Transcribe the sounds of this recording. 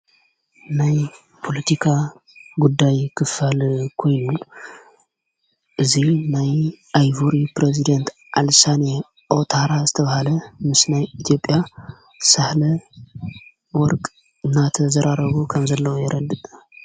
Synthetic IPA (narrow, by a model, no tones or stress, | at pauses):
naj | pʰo̞lɐt̪ʰikʰa | ɡud̪ːajkʰɨfalkʰo̞jnu | ʔɨzinajʔajvuɾipɾezid̪ɐnt̪ʰ | ʔalsane | ʔo̞t̪ʰaɾazɨt̪ʰɐβahalɐmɨsnajit̪ʰijo̞pʼːja | sahlɐ | wɔɾkʼ | ɨnːat̪ʰɐzɐɾaɾɐβukʰɐmzɐlːɐwojɛɾʔɐd̪ɨ